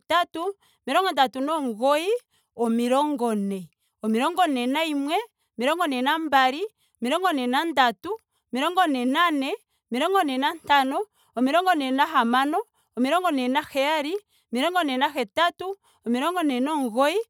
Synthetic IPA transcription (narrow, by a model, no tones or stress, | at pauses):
tatu | miɾɔŋɡɔndatunɔŋɣoi | ɔmiɾɔŋɡɔnɛ | ɔmiɾɔŋɡɔnɛnaimwɛ | miɾɔŋɡɔnɛnambaɾi | ɔmiɾɔŋɡɔnɛnandatu | miɾɔŋɡɔnɛnanɛ | ɔmiɾɔŋɡɔnɛnantanɔː | miɾɔŋɡɔnɛnaɦamanɔː | miɾɔŋɡɔnɛnaxɛaɾi | miɾɔŋɡɔnɛnaxɛtatu | ɔmiɾɔŋɡɔnɛnɔŋɡoi